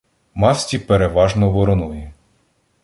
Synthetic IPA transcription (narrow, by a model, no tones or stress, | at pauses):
mɑsʲtʲipeɾeʋɑʒnɔʋɔɾɔnujɛ